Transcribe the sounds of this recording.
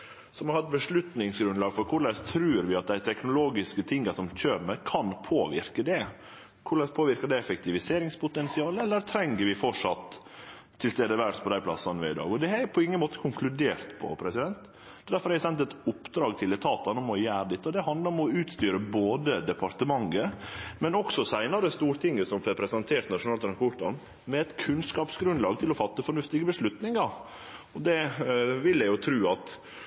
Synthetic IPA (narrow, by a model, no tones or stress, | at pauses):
sɔmhɑɾhɑt̪̚bəʂɭʉt̪nɪŋsɡɾʉnd̪lɑːɡfɔɾkʰʊɾɭɛst̪ʰɾʉːɾʋɪɑt̪̚d̪æɪt̪ʰɛknʊloːɡɪskət̪ʰɪŋːəsɔmçøːɾmɛkʰɑnpʰoːʋɪ̰ɾkəd̪ɛ | kʰʊɾɭɛspʰoːʋɪɾkəɖ̪ɛɛfɛk̚t̪ʰɪʋɪseːɾɪŋspʰʊt̪ɛnsɪɑːləɛlːəɾt̪ʰɾɛŋːəɾʋɪfɔʂɑt̪ʰː | ɪlst̪eːd̪əʋæɾʈspʰɔd̪æɪpʰlɑ̰sːɑnəʋɪ̰ɪd̪ɑ̰ːɡɔd̪ɛhɑɾpʰɔɪŋːənmoːt̪əkʰʊŋkʰlʉd̪eːɾt̪pʰɔ̰pʰɾɛsɪd̪ɛnt̪ | d̪̥ɛd̪æɾfɔɾhɑɛæɪsɛnt̪ɛt̪ʊpːd̪ɾɑːɡt̪ʰɪlɛt̪ʰɑːt̪ɑnɔmɔjæːɾəd̪ɛt̪ːəɔd̪ɛɦɑnd̪ləɾɔmɔʉːt̪st̪yːɾəboːd̪əd̪ɛpʰɑɾt̪əmɑŋːəmɛnɔksɔsæɪnɑɾəst̪uːɾt̪ʰɪŋːəsɔmɾɛpʰɾɛsɪɛnt̪ʰeːɾʈt̪nɑʂʊnɑːlt̪ʰɾɑŋkpɔʈɑ̰n | mɛɛt̪kʰʉnskɑːpsɡɾʉnd̪lɑːɡt̪ʰɪlɔfɑt̪ːəfɔɳʉft̪ɪɡəbəʂɭʉt̪nɪŋɑɾ | ɔd̪ɛʋɪljæɪjʊt̪ʰɾʉːɑt̪